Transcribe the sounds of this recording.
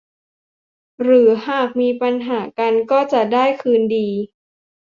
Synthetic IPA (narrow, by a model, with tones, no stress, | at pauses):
ɾɯː˩˦haː˧˩k̚miː˧pa˧nɦaː˩˦ka˧nkɔː˥˩t͡ɕa˨˩daː˥˩jkʰɯː˧ndiː˧